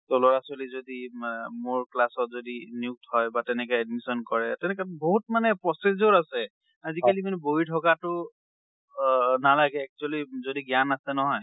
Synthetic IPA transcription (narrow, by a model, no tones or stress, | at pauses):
tɔlɔɹasɔlizodimoɹklasɔt̚zodiniuk̚tʰhɔjbatɛnɛk̬ɛɛdmisɔnkɔɹɛtɛnɛkɛboɦut̚manɛpɹɔsezɔɹasɛ | azikalimanɛboɦitʰɔkatʊ | nalaɡɛːk̚t͡ʃualizodiɡjanasɛnɔɦɔj